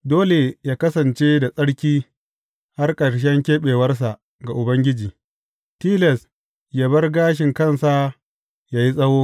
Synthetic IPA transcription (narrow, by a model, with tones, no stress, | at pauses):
doː˦le˨jaː˦kɐ˦sɐ˨nt͡ʃe˦da˨sʼɐ˦ɽkʲiː˦ | ha˦rkʼɐ˨ɾʃ̬ɛ˦ŋkʲeː˦ɓeː˨wɐ˦rs̬a˨ʔ | ɡa˨ʔʊ˨bɐ˦ŋɡʲɪ˦d͡ʒiː˨ | tiː˦lɛ˨s | jaː˦bɐ˦rɡaː˦ʃ̬ɪ˨ŋkɐ˦˨nsa˦ | jaː˨ji˦sʼɐ˦hoː˦